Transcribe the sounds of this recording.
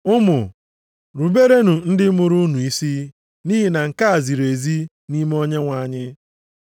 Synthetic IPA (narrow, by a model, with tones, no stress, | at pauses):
ʊ˦mʊ̰˨ | ɾu˨be˦ɾe˦nu˨n̩˦dɪ˦mʊ˨ɾu˦nu˨i˦si˦ | niː˦ɦi˨na˨ŋ̩˨ka˦a˨zi˨ɾe˨zi˦ | ni˦m˦o˦ɲe˦ŋʷa˨ɲɪ˦